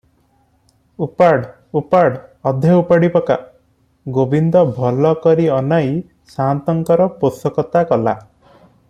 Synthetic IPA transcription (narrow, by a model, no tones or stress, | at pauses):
upaɽ | upaɽɔd̪ʱeupaɽipɔka̰ | ɡobʱind̪ɔbʱɔlɔkɔɾiɔnaj | sant̪ɔŋkɔɾɔposɔkɔt̪akɔla